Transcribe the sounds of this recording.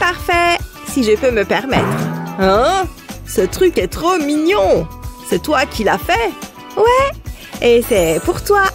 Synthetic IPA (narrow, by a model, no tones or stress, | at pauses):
paʁfɛ | siʒəpøməpɛʁmɛt̪χɛ̃ | sət̪χykɛt̪χominjɔ̃sɛt̪wakʲilafɛ | wɛ | esɛpuʁt̪wa